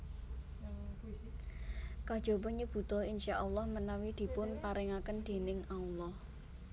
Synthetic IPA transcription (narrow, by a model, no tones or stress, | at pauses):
kad̥ʒ̥ɔ̤bɔ̤ɲəb̥ṳt̪ɔinʃaʔɔlːɔhmənawid̪̥i̤pʊnpaɾɛŋakənd̪̥e̤nɪŋawlɔh